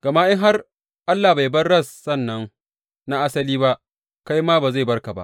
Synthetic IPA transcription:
ɡ̥ɐ˨ma˦ʔɪ˦ŋɦa˦r | ʔa˦lːaː˨ba˨jbɐ˦ɽɐ˦˨sːɐ˦˨nːɐ˦ŋ | na˦ʔa˦sɐ˦liː˦ba˦ʔ | ka˦jmaː˦baː˨za˦˨jbɐ˦rka˨ba̰˦ʔ

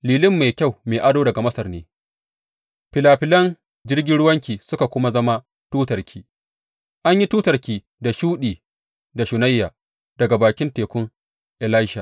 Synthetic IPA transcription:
liː˨lɪ˦mːa˨jkʲa˦˨wmeː˨ʔa˦doː˦dɐ˨ɡa˨mɐ˦sɐ˨rneː˦ | ɸɪ˨laː˨ɸɪ˦lɐ˦n | d͡ʒɪ˦rɡʲɪ˦nɽʊ˦wɐ˦ŋkʲiː˨sʊ˦ka˨kʷʊ˦ma˦zɐ˦ma˦ | tuː˦tɐ˨rkʲʰiː˦ | ʔa˦ɲji˦tuː˦tɐ˨rkʲiː˨ | da˨ʃuː˦ɗiː˨ | da˨ʃʊ˨na˦jːaː˨ | d̥ɐ˨ɡa˨baː˨kʲɪ˦nteː˨kʷʊ˦ŋ | ʔɪ˨laː˦ʃaː˨

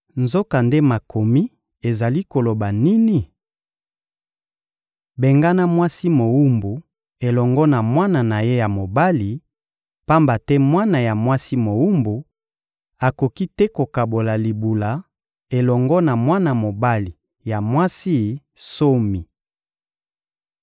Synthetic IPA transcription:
nzo˦ka˨nde˦ma˨ko˨mi˦ | e˨za˨li˦ko˨lo˨ba˨ni˦ni˦ | be˨ŋɡa˦na˦mwa˦si˦mo˨wu˦mbu˨ | e˨lɔ˨ŋɡɔ˦na˨mwa˦na˨na˨je˦ja˨mo˨ba˦li˨ | pa˦mba˨tɛ˦mwa˦na˨ja˨mwa˦si˦mo˨wu˦mbu˨ | a˨ko˨ki˦tɛ˦ko˨ka˨bo˨la˨li˨bu˨la˨ | e˨lɔ˨ŋɡɔ˦na˨mwa˦na˨mo˨ba˦li˨ | ja˨mwa˦si˦ | so˦mi˨

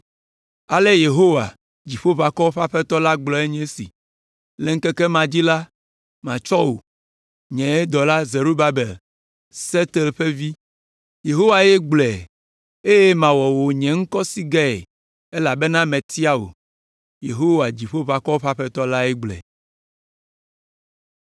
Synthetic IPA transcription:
a˨le˦je˨ɦo˦wa̰˨ | d͡ʑi˨ɸo˦βa˨kɔ˦ɸa˦ɸɛ˦t̪ɔ˦la˦ɡ͡blɔ˨e˦ɲɛ̃˦sḭ˨ | le˨ŋ̩˦kɛ˦kɛ˦mã˨d͡ʑi˦la˦ | mã̰˨t͡ʃɔ˦wo̰˨ | ɲɛ̃˨e˦d̪ɔ˨la˦ze˨ɾu˦ba˦be˨l | se˦t̪e˨lɸe˦vi˦ | je˨ɦo˦wa˨je˦ɡ͡blɛ˨ | e˦je˦mã˨wɔ˨wo˨ɲɛ̃˨ŋ̩˦kɔ˦si˦ɡɛ˦ɛ̰˨ | e˦la˨be˦nã˦mɛ̃˨t̪i˦a˦wo̰˨ | je˨ɦo˦wa˨d͡ʑi˨ɸo˦va˨kɔ˦o˦ɸa˦ɸɛ˦t̪ɔ˦la˦ɛ˦ɡ͡blɛ̰˨

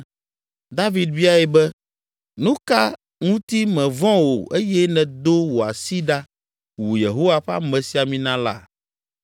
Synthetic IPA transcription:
d̪a˦vi˨d̪vi˦a˦ɛ˨bɛ˦ | nũ˦ka˦ | ŋũ˦t̪i˦mɛ̃˨vɔ̃˦wo̰˨ʔe˦jɛ˦nɛ̃˨d̪o˦wo˨a̰˨si˦ɖa˦ | wu˨je˨ɦo˦wa˦ɸa̰˦mɛ̃˨si˦a˨mĩ˦nã˦la̰˦

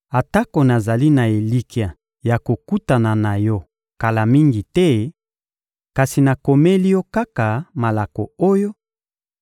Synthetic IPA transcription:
a˨ta˦ko˨na˨za˨li˦na˨e˨li˦ki˨a˨ | ja˨ko˨ku˦ta˨na˨na˨jɔ˦ | ka˨la˨mi˦ŋɡi˨tɛ˦ | ka˨si˨na˨ko˨me˦li˦jɔ˦ka˦ka˨ma˨la˨ko˨o˦jo˦

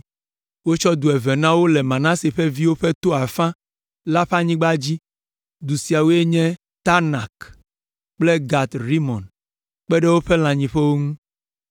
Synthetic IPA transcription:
wo˦t͡ʃɔ˦d̪u˨ɛ˨ve˨nã˦wo˦lɛ˨mã˨nã˦se˨ɸe˦vi˦wo˦ɸe˦t̪o˦a˨fã˦ | la˦ɸa˦ɲĩ˦ɡ͡ba˦d͡ʑi˦ | d̪u˨si˨a˨wo˦e˦ɲɛ̃˦ | t̪a˦na˨k | k͡ple˦ɡa˨t̪ɾi˦mɔ̃˨n | k͡pɛ˦ɖe˦wo˦ɸe˦l̃ã˨ɲĩ˨ɸɛ˦wo˦ŋũ˦

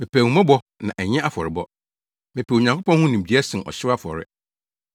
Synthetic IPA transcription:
mɪ̃˨pʰæ˨ũ˨˦mã˦bɔ˦ | nã˨ʔɛ˨ɲɛ̃˦ʔa˦fɔ˨ɾɪ˨bɔ˦ | mɪ̃˨pʰæ˨o˨ɲã˨ŋkʰo˦pɔ̃˦nhʊ̃˦nĩ˨bi˨˦ɛ˦sɪ̃˨nɔ̰˨ɕɪ˦ɾa˦fɔ̰˨ɾɪ̰˦

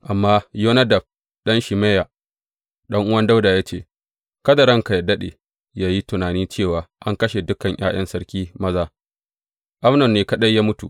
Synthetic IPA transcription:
ʔa˨mːaː˦joː˦nɐ˦dɐ˨b̚ | ɗɐ˦nʃi˨meː˦ja˨ | ɗɐ˦ŋʔʊ˦wɐ˦nda˦wdaː˨jaː˦t͡ʃeː˦˨ | kɐ˦da˨ɽɐ˦ŋka˨ja˨dɐ˦ɗḛː˨ | jaː˦ji˦tʊ˨naː˨niː˦t͡ʃeː˦˨waː˨ʔa˦ŋkɐ˦ʃe˨dʊ˦kɐ˨ɲjʔa̰ː˦j̰ɐ˦nsɐ˦ɽkʲiː˦mɐ˦zaː˦ | ʔa˦mnɔ˨nːeː˨kɐ˦ɗɐ˦jjaː˦mʊ˦tṵ˨ʔ

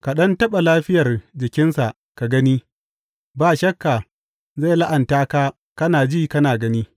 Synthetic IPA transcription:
ka˨ɗɐ˦ntɐ˦ɓa˨laː˦ɸɪ˦jɐ˨rd͡ʒɪ˨kʲɪ˦nsa˨ʔ | ka˨ɡɐ˦niː˦ | baː˨ʃɐ˦kːa˨ | ze˦˨la˦ʔa˨ntaː˦kaː˦ | kɐ˦naː˨d͡ʒiː˦kɐ˦naː˨ɡɐ˦niː˦

